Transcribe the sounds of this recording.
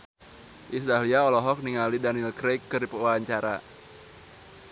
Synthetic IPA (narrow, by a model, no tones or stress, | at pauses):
ʔisdahliaɔlɔɦɔk̚niŋalidanilkɾejkːɨripəwaaɲt͡ʃaɾa̰